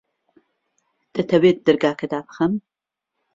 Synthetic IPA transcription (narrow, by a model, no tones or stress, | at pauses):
d̪̥ɐt̪ʰɐwet̪̚d̪ɨɾɡaːkɐd̪aːbɨxɐm